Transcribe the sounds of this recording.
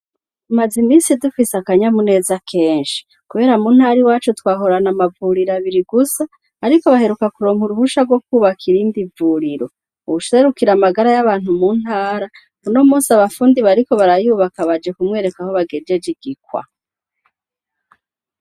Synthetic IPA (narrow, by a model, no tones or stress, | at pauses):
mazimiːnsidufisakaɲamune̞ːzakʰe̞ːnʃi̥ | kuβe̞ːɾamuːn̥haɾiwaːt͡ʃutwaːɦo̞ɾanamavuɾiɾaβiɾiɡusaː | aɾiko̞βahe̞ɾukakuɾo̞ːmhuɾuβuʃaɾɡwo̞kuːβakʰiɾimbivuɾiɾo̞ | uβuʃe̞ɾukiɾamaɡaɾajaβaːn̥humuːn̥haːɾa | muno̞muːsaβafuːndiβaɾiko̞βaɾajuːβakaβad͡ʒe̞kumŋe̞ːɾe̞kaho̞βaɡed͡ʒe̞d͡ʒiɡ̥ikwa̰